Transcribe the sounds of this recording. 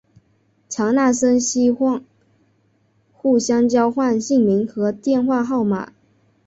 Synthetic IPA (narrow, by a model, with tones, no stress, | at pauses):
t͡ɕʰjɑ˧˥ŋna˥˩ʂə˥nɕi˥xwɑ˥˧ŋ | xu˥˩ɕjɑ˥ŋt͡ɕjɑ˥ʊxwa˥˧nɕi˥˩ŋmi˧˥ŋxɤ˧˥t̪jɛ˥˧nxwa˥˧xɑ˥˩ʊma̰˨˩˦